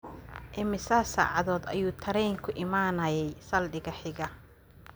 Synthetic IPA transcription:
ʔɪmɪsaːsa̰ːʕɑðɔːd̪ɐjuːt̪ʰɐɾɛjŋkʰʊʔɪmaːnɐjɛjsɐlɖɪɣɐħɪɣɐ

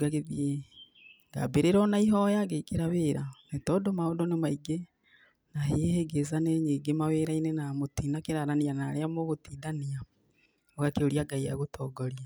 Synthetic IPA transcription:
ɡaɣeðie | ŋɡa̰beɾeɾɔnaiɦɔjaɡeikeɾaβeːɾanetɔdomaodonemaiɡe | naɦeheɡezaneɲiɡemaweːɾainenamotiːnakeɾaɾanianaɾeamoɣotiːdania | ɔɣakeoɾiaɡaijaɣotʰɔɡɔɾia

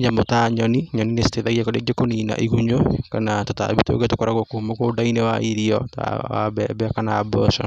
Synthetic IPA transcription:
ɲamotaɲɔniɲɔninesi̥teðaɣiakoɾeɡekoniːna̰ʔiɣuɲokanatota̰βito̰ɣetokoɾaɣɔkohumokoːdainewa̰iɾiɔta̰a̰bɛbɛkanaabɔʃɔ̰

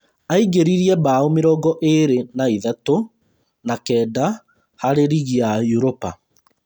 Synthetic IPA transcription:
aiɡeɾiɾiɛbaomeɾɔːɡɔʔeɾenaiðato | nakɛːda | haɾeɾiɣiajuɾopa

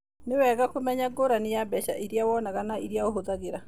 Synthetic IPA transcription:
nɪwɛɣakomɛɲaɡoɾanijabɛʃa̰ʔiɾjawɔnaɣanaiɾiaoɦozaɣeɾa

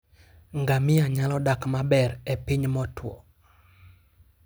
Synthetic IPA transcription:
ŋɡamɪjaɲalɔdakmabɛɾɛpiɲmɔtwɔ̰

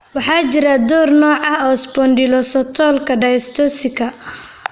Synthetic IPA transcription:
wɑħɑːt͡ʃɪɾɐd̪ɔːrnɔːʕɑɦɔːsbɔnɖɪlɔsɔt̪ʰɔːlkʰɐɖɐst̪ʰɔsɪkʰɐ

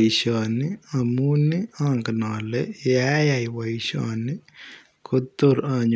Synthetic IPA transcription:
ʃaːniɐmuːniaːŋkɐnaːlejaːjajʋɐjʃaːni | kʰot̪ːoɾaːɲ

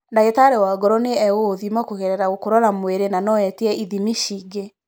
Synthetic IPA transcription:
ndaɣetaɾɛwaːɡɔɾɔneɛoðimakoɣeɾɛɾaɣokoɾɔɾamweɾenanɔɛtiɛiðimiʃiɡe

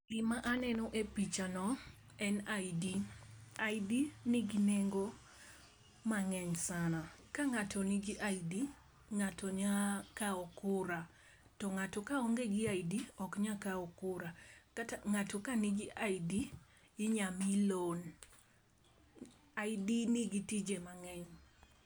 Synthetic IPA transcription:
ɡɪmaʔanɛnɔʔepit͡ʃanɔ | ɛndiaidinɪɡineŋɡo | maŋɛɲsanakaŋatʰɔniɡiʔaidi | ŋatoɲakaɔkʊɾa | tɔŋatɔkaɔŋɡeɡɪaidiɔkɲakaɔkʊɾakataŋatɔkaniɡɪʔaidi | ɪɲamilon | aidinɪɡitid͡ʒemaŋɛɲ

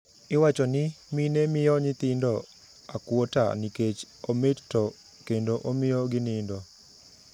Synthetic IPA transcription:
ɪwat͡ʃɔnɪminemɪjɔɲɪt̪ɪndɔ | akwota̰niket͡ʃ | omɪttɔ | kendoʔomɪjɔɡɪnɪndɔ

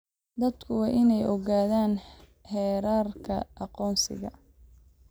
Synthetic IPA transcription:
d̪ɐd̪kʰʊwɑːʔɪnɛjɔɣaːðaːn | hɛːɾaːrkʰɐ̰ʔɑqɔːnsɪ̰ɣɐ̰

